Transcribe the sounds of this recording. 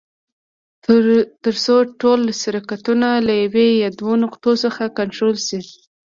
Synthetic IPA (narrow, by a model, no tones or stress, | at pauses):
t̪əɾsoʈolːasaɾakat̪unalajawejad̪wonʊqt̪osəxakaɳʈɾolsi